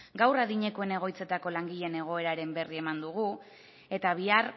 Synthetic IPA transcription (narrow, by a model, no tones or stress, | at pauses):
ɡawraðiɲe̞koe̞ne̞ɣ̞o̞jt͡se̞t̪ako̞laŋɡiʎe̞ne̞ɣ̞o̞e̞ɾaɾe̞mbe̞rie̞mand̪uɣ̞u | e̞t̪aβ̞iar